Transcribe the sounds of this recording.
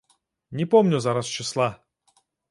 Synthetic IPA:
nʲɪpomnʲʊzaɾast͡ɕɪslˠa

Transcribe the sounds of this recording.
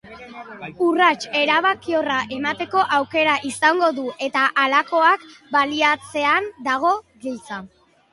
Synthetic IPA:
urat͡ʃe̞ɾaβ̞akio̞raʔe̞mat̪e̞ko̞ʔawke̞ɾaʔisaŋɡo̞ðuʔe̞t̪aʔalako̞akbaliat͡se̞and̪aɣ̞o̞ɣilt͡sa

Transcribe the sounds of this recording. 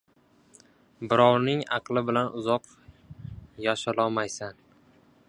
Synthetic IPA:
bɪɾɒwnɪŋɑ̰qlˠɪbɪlanʔʊzɒq | jaʃɪlɒmajsan

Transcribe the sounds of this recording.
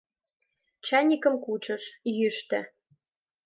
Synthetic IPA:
t͡ɕɑnʲikə̆mkut͡ɕə̆ʃjyʃt̪ɘ̰̆

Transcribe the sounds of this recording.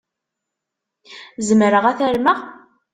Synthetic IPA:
zəmɾəʁæθæɾməʁ

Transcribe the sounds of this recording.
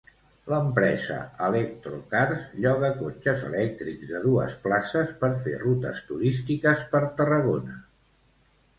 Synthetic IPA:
ləmpɾɛzə̰əlɛk̚t̪ɾokaɾsʎɔɣ̞əkot͡ʃəzə̰lɛk̚t̪ɾikzðəðuə̰splasəspəɾfḛrut̪ə̰st̪uɾist̪ikəspəɾt̪ərəɣ̞onə

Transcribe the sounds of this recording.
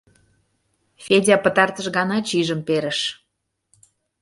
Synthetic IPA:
fʲedʲɑpə̆t̪ɑrt̪əʃɣɑnɑt͡ɕiʒəmpeɾə̆ʃ

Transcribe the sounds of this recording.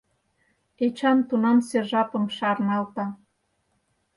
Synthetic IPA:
et͡ɕɑnt̪unɑmserʒɑpə̆mʃɑrnɑlt̪ɑ

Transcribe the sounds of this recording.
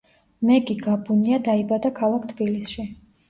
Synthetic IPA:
mɛɡʼiɡabuniad̪aibad̪akʰalˠakʰt̪ʰbilisʃi

